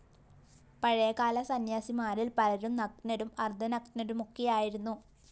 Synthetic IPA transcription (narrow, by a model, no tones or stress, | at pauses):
pɐɻɐjɐkaːlɐsɐnjaːsimaːɾilpɐlɐɾumnɐkʈnɐɾumɐrd̪ʱɐnɐkʈinɐɾumokːejaːjiɾunːu